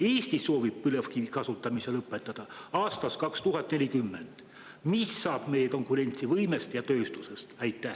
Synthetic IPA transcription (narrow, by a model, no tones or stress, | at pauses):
eːst̪iso̞ːvib̥̚pylefkikɑsut̪ːˑɑmise̞lɤpːˑet̪ːˑɑd̪̥ɑɑːst̪ɑskɑkst̪uɦɑt̪ˑne̞lʲikymːe̞nd̪̥ | misːɑːb̥me̞jeko̞ŋkuɾe̞nʲt̪sivɤjme̞st̪jɑt̪øːst̪use̞st̪æjt̪ːˑæh